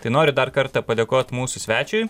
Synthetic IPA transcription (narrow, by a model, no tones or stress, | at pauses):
t̪ɐɪnoːɾʲʊd̪ɐɾkɐɾt̪ɐpɐd̪ʲeːkoːt̪muːsʊsʲʋʲæːt͡ʃʲʊɪ